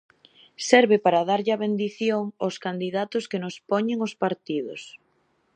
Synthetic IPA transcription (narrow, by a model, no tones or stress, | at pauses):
sɛɾβɪpaɾaðaɾʎɪɐβend̪iθjoŋoskand̪iðat̪ʊskɪnʊspɔɲeŋʊspaɾt̪iðʊs